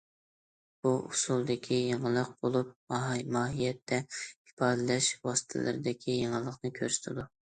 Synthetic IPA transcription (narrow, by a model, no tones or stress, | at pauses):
b̥uʔusulˠd̪ɪkʲʰijeŋəlˠəq̚bolˠup̚mmɑːɦijɛt̪ʰːɛi̥pʰɑːd̪ɛlɛʃwɑst̪ʰɪ̰lˠɨ̰ɾd̪ɪkʲʰijeŋəlˠəqnɨkʲʰø̰ɾsɪ̥t̪ʰɪd̪u